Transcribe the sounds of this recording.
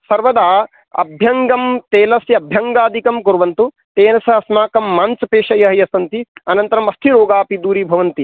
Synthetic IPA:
sɐɾʋɐd̪aː | ɐ̰bʱjɐŋɡɐmt̪eːlɐsjɐbʱjɐŋɡaːd̪ʱikɐmkuɾʋɐnt̪u | t̪eːnɐsɐɐsnaːkɐmːaːnsɐpeːʂɐjɐɦɐjɐsɐnt̪iɐnɐnt̪ɐɾɐmɐst̪ʰiɾoːɡaːpid̪uːɾiːbʱɐʋɐnt̪i

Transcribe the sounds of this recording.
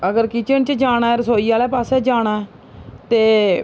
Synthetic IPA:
əɡəɾkɪt͡ʃənt͡ʃd͡ʒaːñaːɛɾəsoːiːaːlɛːpaːsɛːd͡ʒaːɽ̃aːɛ | t̪eː

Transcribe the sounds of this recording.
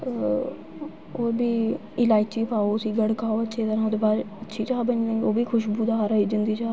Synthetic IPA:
oːɾbʱiː | ɪlaːit͡ʃiːpʰaːoːsiːɡəɽkaːoːətːʃʰeːt̪əɾãːoːd̪eːbaːɾətːʃʰiːt͡ʃaːbənnẽoːbiːkʰʊʃbuːd̪aːɾəiːd͡ʒənd̪iːt͡ʃaː

